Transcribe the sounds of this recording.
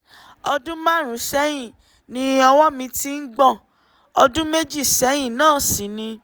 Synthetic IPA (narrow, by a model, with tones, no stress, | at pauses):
ɔ˧dũ˦mã˦˨ɾ̃ũ˨˦sɛ˨˦j̃ĩ˦˨ | nĩ˦ɔ˧wɔ˦mĩ˧ti˦n̩˦ɡ͡bɔ̃˦˨ | ɔ˧dũ˦me˦d͡ʒi˦˨sɛ˨˦j̃ĩ˦˨nãː˦˨si˨˦nĩ˧